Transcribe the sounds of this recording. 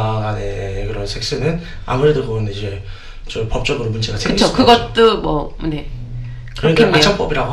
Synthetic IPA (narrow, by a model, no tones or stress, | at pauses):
ne̞kɯɾʌnsʰek̚s͈ɯnɯn | a̰muɾe̞dokɯʌnid͡ʑe̞ | t͡ɕoɭpʌp̚t͡ɕ͈ʌɡɯɾomund͡ʑeɡasʰekɯɡt͡ɕʰokɯɡʌt̚tt͈omʌne̞ | kɯɾenkeat͡ɕʰaŋp͈ʌbiɾaɡo